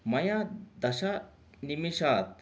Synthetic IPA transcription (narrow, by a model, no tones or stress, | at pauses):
mɐjad̪ɐʃa | nimiʃaːt̪